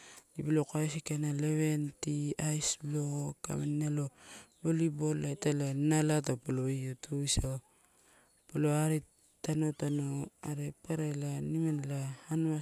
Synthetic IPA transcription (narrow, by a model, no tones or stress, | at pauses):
ibilokajsikanaleβe̞ntiajsbloka̰mennalobolibolajtalanalatapoloijotʰuisaw | poloaɾi | tano̞tanoaɾepaɾajlanimanlahana